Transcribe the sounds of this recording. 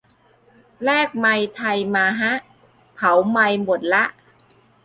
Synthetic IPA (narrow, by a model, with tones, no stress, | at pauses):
lɛː˥˩k̚ma˧jt̪ʰa˧jmaː˧ɦa˦˥ʔ | pʰa˩˦wma˧jmo˨˩t̪̚la˦˥ʔ